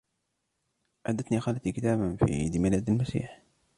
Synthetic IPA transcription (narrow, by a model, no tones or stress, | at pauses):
ʔaːd̪at̪nixaːlat̪ikɪt̪aːbafḭːd̪ɪmalaːd̪almasḭːħ